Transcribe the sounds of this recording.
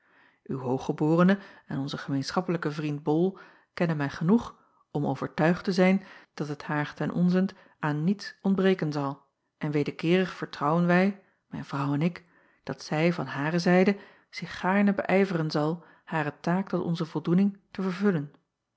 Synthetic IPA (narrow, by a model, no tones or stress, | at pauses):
ʔywɦowχəbʊːrənəɛnɔnzəχəmejnsχɑpələkəvrint̚bɔlˠ | kɛnənmɛjχənuχ | ɔmo̰wv̥əɹtœɥχtəzɛjnd̥ɑtəthaːɹtɛnʔɔ̰nzənt | ʔaːnːitsɔndbrejkənzɑlˠ | ʔɛnʋejdəɹkɪːrəχfəɹtrɑwənʋɛj | mɛ̰jnv̥rʌwɛnɪk | d̥ɑtsɛjvɑ̰nɦaːrəzɛjdə | z̥ɪχːaːɹnəbəʔɛjvərənzɑlˠ | haːrətaːk̚tɔtɔ̰nzəvɔlˠdunɪŋtəvəɹvɵlən